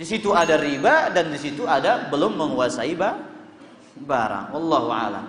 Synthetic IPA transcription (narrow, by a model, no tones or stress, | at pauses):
disit̪uadaribadandisit̪uadabəlʊmːəŋuasaiba | baɾa̰ŋwɑlːɑɦua̰la̰m